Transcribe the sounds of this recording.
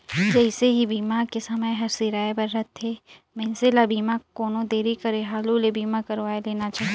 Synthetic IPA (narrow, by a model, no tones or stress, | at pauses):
d͡ʒɛɪseɦibiːmakesɐməjɦɐɾsiɾaːebɐɾːɐt̪ʰːeː | mɛ̃nselabiːmakoːnõd̪eːɾikɐɾeɦaːlulebiːmakɐɾʋaːeleːnat͡ʃaːɦi